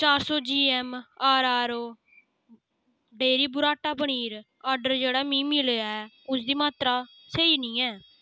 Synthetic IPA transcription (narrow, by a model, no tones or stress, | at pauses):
t͡ʃaːɾsoːd͡ʒiːɛːmaːɾaːɾoː | ɖeːɾiːbʊɾaːʈaːbəɳ̃iːɾ | aːɾɖəɾd͡ʒeːɽaːmĩːmɪleaːɛː | ʊsd̪iːmaːt̪ɾaː | seːiːnĩːɛː